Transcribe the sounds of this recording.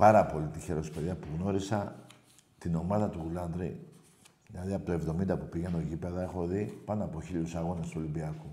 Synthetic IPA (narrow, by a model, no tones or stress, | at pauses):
pɐɾɐpo̞lit̪içe̞ɾo̞speðiɐpuɣno̞ɾisɐ | t̪ino̞mɐðɐt̪uɣulɐnd̪ɾḭ | ðilɐðiɐpot̪oe̞vðo̞mind̪ɐpupiɣɐnoʝipe̞ðɐe̞xo̞ðipɐnoɐpo̞çiʎusɐɣo̞nest̪uo̞limbiɐku